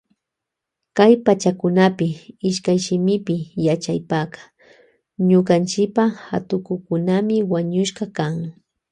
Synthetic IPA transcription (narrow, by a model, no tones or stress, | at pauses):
kajpat͡ʃakʊnapɪɪʃkajʃɪmɪpɪjat͡ʃajpakḁ | ɲʊqant͡ʃɪpaha̰t̪ʊkʊkʊnamɪwaɲʊʃɢɑkaŋ